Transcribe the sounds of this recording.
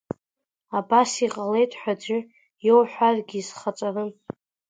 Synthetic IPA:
abasiqʼale̞jtʼħʷᶣad͡ʒʷʏ | jowħʷᶣarɡʲiːzχat͡sʷʼarɨn

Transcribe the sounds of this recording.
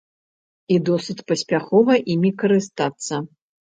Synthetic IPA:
id̪ɔsɨt͡sʲpɐsʲpʲaxɔvɐʔimʲikɐɾɨst̪at̪sːɐ

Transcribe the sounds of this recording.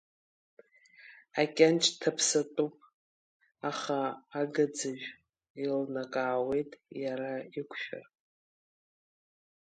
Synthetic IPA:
akʲʼant͡ʃʰʼtʰapʰsatʼupʼ | aχaːɡad͡zaʒᶣ | ilnakʼaːwe̞jtʼjaɾaikʷʰʃᶣʊ̰r

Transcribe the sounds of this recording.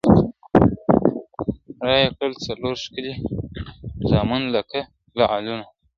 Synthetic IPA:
ɾɑjakɽəlt͡saloɾʃkəli | zɑːmunlaka | laaluna

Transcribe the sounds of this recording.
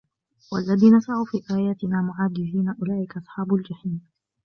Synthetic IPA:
walːaðiːnɑsˤɑʕuːfiːʔaːjaːt̪ɪnaːmʊʕaːd̪ɪziːnaʔʊlaːʔɪkaʔɑsˤħɑːbʊld͡ʒaħiːm

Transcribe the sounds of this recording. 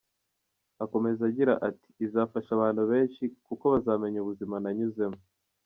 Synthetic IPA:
ako̞me̞zaɟiɾa̰ʔati̥ːzaːfaʃaβaːnhuβe̞ːnʃikuko̞βazaːme̞ɲuβuzimanaɲuze̞mu

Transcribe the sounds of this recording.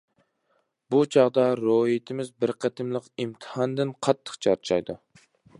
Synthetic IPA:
but͡ʃʰɑʁd̪ɑɾoɦit̪ʰɪmɪzbɪɾqʰət̪ʰɪmlˠəqimt̪ʰɨ̥hɑnd̪ɪnqʰɑt̪ʰːə̥qt͡ʃʰɑɾt͡ʃʰɑ̰jd̪u

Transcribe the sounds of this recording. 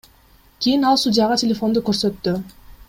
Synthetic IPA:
kʲʰijinɑlˠsudʲijɑʁɑtʲʰelʲefo̞nd̪ukøɾsø̞t̪ːy

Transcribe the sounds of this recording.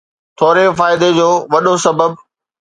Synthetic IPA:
t̪ʰoːɾefaːɪd̪ed͡ʑoːʋɐɗosɐbəb̚

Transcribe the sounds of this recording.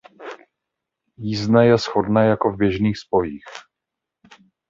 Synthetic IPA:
jiːznɛjɛsxo̞dnɛːjakovbjɛʒniːxspo̞jiːx

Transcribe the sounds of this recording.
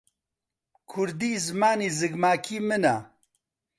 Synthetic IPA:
kʰʊɾd̪iːzɨmaːniːzɨɡmaːkʰiːmɨna̰

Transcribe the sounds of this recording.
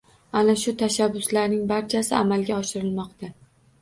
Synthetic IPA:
anaʃʊt̪ʰaʃabːʊslaɾnɪŋbaɾt͡ʃʰasɪamalɡʲaɒʃɪɾɪlmɒqt̪ʰa

